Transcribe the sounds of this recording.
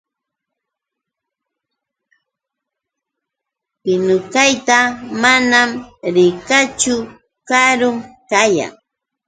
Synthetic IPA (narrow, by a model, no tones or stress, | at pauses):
pɪnʊkajt̪amanamɾɪkat͡ʃʊ | kaɾʊŋkaja̰ŋ